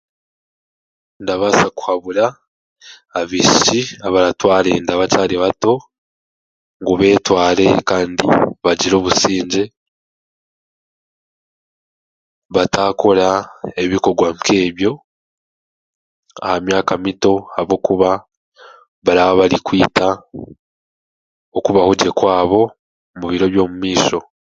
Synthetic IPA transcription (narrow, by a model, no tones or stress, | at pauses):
ndaβasaku̥haβuɾaː | βiʃiaβaɾatwaːɾe̞ndaβacaːɾiβato̞ | ŋɡuβe̞ːtwaːɾe̞kaːndḭβaɟiɾo̞ːβusiːɲɟe̞ | βataːko̞ɾae̞βiko̞ɡwamkʰe̞ːβjo̞ | a̰hamjaːkamito̞haβo̞kuβa | βaɾaβaβaɾikwiːta | okuβahuɟe̞kwaːβo̞ | muβiɾo̞βjo̞ːmumiːʃo̞